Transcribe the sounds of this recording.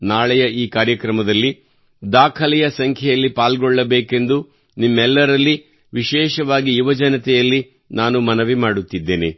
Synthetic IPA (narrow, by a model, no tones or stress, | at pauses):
naːɭɛjɐʔiːkaːɾjɐkɾɐmɐd̪ɐlːi | d̪aːkʰɐlɛjɐsɐŋkʰjɛjɐlːipaːlɡɔɭːɐbeːke̞nd̪u | nimːɛlːɐɾɐlːi | ʋiʃɛːʃɐʋaːɡijuʋɐd͡ʒɐnɐt̪ɛjɐlːi | naːnumɐnɐʋimaːɽut̪ːid̪ːe̞ːne